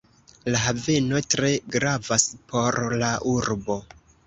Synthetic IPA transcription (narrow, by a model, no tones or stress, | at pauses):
laɦave̞no̞tɾe̞ɡɾavaspʰo̞ɾlaʔuɾbo̞